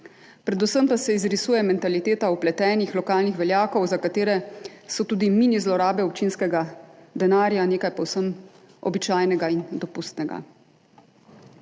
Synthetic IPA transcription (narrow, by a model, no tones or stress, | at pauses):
pɾɛd̪usəmpasɛizɾisuːjɛmɛnt̪alit̪eːt̪auplɛt̪ɛːnixlɔkaːlnixʋɛljaːkɔwzakat̪eːɾɛsɔt̪uːd̪iminizlɔɾaːbɛɔp̚t͡ʃinskɛɡad̪ɛnaːɾjaneːkajpɔwsəm | ɔ̰bit͡ʃaːjnɛɡaind̪ɔpust̪nɛɡa̰